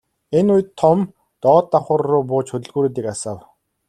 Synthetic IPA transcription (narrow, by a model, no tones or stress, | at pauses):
enʊj̆t̪ʰːɔm | t̪ɔːt̪ːaχʊ̆rːʊːpʊːt͡ɕxɵt̪ɵ̆ɮɣuːɾuːt̪iːkasaw